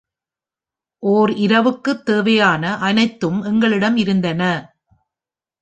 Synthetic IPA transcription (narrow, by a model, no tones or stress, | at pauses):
ʔoːɾɪɾɐʋɯkːɯt̪ːeːʋɐjaːnɐʔɐnɐɪt̪ːɯmɛŋɡɐɭɪɽɐmɪɾɯnd̪ɐnɐ